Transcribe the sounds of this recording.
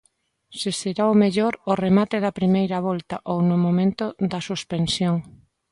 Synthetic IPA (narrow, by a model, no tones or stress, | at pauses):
seseɾaomeʎoɾʊremat̪eðɐpɾimejɾɐβɔlt̪aʔownʊmõmẽnt̪od̪ɐsuspensjoŋ